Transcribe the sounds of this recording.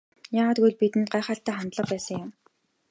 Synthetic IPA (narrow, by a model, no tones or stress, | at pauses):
jaːʁaːt̪ɡujɮpit̪ɘ̆nt̪̚ɢajχaːɬt̪æːχant̪ɮə̆q̚pæːsə̆ŋjʊm